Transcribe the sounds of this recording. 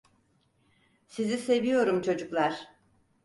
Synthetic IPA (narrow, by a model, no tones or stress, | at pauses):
sizise̞vijo̞ɾumt͡ʃʰo̞d͡ʒuklˠaɾ̥